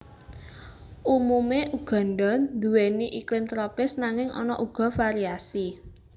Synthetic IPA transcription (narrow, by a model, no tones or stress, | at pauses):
ʔumumeʔuɡ̥ɔ̤nɖɔnd̪uweniʔiklɪmt̪ɾɔpɪsnaŋɪŋʔɔ̰nɔ̰ʔuɡ̥ɔ̤faɾiasi